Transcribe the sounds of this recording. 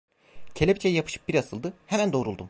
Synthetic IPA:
cʰe̞lʲebit͡ʃʰejijapʰɯ̥ʃɯ̥p̚b̥iɾasɯlˠd̪ɯhemænd̪o̞ːɾulˠd̪um

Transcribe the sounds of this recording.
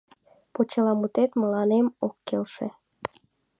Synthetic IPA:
pot͡ɕəlɑmut̪et̪mə̆lɑnemokːelʃe

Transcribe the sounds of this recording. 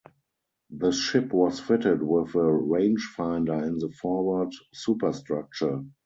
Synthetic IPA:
ðəʃɪpwɔsfɪtədwɪðəɹẽɪ̃nd͡ʒfãɪ̃ndə˞ɪ̃nðəfɔwə˞dsuːpəstɹak̚t͡ʃə˞

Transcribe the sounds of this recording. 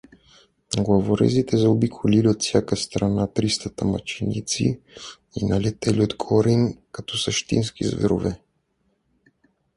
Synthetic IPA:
ɡlˠavoɾɛ̰zit̪ɛzɛobikʰoliliot̪fsʲjakəst̪ɾanat̪ɾist̪ət̪əmɐ̰t͡ʃinḭt̪sḭ | ḭnɐlɛt̪ɛliot̪ɡʰɔɾinkɐt̪ɔsəʃt̪ḭnskḭzvɛ̰ɾo̰vɛ

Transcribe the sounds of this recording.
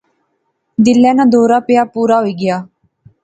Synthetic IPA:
d̪ɪlːɛ̃ːnãːd̪oːɾaːpɪjaːpuːɾaːɦoiːɡɪjaː

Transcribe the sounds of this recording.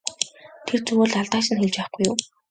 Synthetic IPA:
t̪ʰert͡sɵwoːɮaɮt̪aːʃɪ̆nxeɮt͡ɕpæːχɡujʊː

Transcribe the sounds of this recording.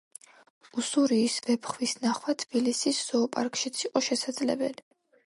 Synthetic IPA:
usuɾiːsvɛpχwisnaχwat̪ʰb̥ilisisz̥ɔːpʼa̰ɾkʼʃit̪sʰiqʼɔʃɛsad̪zlɛ̰bɛ̰li

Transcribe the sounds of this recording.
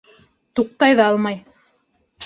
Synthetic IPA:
t̪uq̚t̪ɑjðɑɑlˠmɑj

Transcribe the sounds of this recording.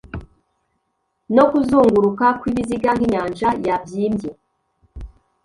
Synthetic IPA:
no̞kuzuːŋɡuɾukakwiβiziɡaŋhiɲaːnd͡ʒajabjiːmbje

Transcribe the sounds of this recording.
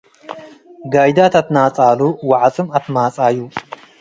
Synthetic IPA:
ɡajd̪at̪ʰat̪nat͡sʼaluwaʕt͡sʼɨmat̪mat͡sʼaju

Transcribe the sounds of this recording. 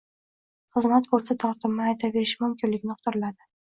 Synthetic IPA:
χɨzmat̪bɵlsat̪ʰɒɾt̪ʰɪmnɪajt̪ʰave̞ɾɪʃmʊmkʲʰɪnlɪkʲnɪqʰʊt̪ʰɪɾɪlad̪ɪ

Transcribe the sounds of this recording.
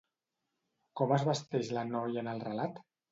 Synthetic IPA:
kɔməzβəst̪ɛʒlənɔjənəlˠrəlat̪

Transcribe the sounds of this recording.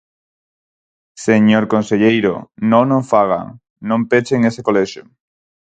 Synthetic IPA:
seɲoɾkõnseʎejɾo̰nõnõɱfaɣ̞a̰ŋ | nõmpet͡ʃeŋesekoleʃo̰

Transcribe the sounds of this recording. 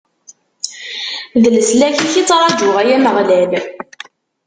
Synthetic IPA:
ðələslæçiçit͡sːɾˤɑd͡ʒʊʁæjæməʁlæl

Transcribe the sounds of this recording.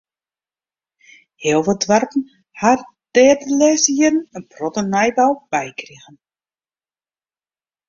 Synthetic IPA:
hɪlˠʋədʋartn̩ | har | d̥ɛːrdəlɛːsjədn̩ənprɔtənajbawb̥ɛjkriɣən

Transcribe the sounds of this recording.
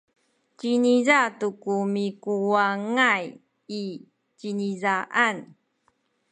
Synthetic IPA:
cinizatukumikuwaŋaj | i | t͡ɕinizaʔan

